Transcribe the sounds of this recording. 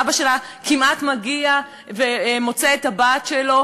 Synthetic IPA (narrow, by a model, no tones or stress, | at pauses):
baʃela | kimatmaɡia | vemo̞t͡seetabaːtʃelo̞